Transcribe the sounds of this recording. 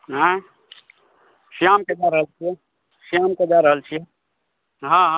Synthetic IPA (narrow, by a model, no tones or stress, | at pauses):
ɦã | sijaːmked͡ʒaɾəɦəlt͡ʃʰie | sijaːmked͡ʒaɾəɦəlt͡ʃʰie | ɦãɦã